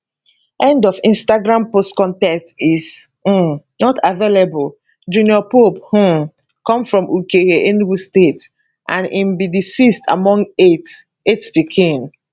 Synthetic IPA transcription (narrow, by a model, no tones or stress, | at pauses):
ʔɛ̃ndɔfĩnstaɡɹãmpostkɔ̃ntɛstiz̩ | nɔtʰavelebul | d͡ʒuniɔpophũ | kɔ̃mfɹɔ̃mukeeʔenɡustet | ʔãnʔĩmbidisistʰa̰mɔ̃ŋɡet | etspikʰĩŋ